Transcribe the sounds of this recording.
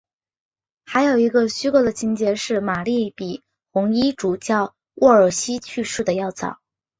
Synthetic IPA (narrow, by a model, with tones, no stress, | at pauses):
xa˧˥ɪjo˨˩ʊi˧˥ɡə˧ɕy˥kɔ˥d̪ə˨t͡ɕʰi˥ŋt͡ɕjɛ˥ʂɻ̩˥˩ma˨˩li˥˩pi˨˩ | xʊ˧˥ŋi˥ʈ͡ʂu˨˩t͡ɕjɑ˥˩ʊ | wʔɔ˥˩ə˞˨˩ɕi˥t͡ɕʰy˥˧ʂɻ̩u˥˩d̪ə˩jɑ˥˩ʊt͡sɑ̰˨˩˦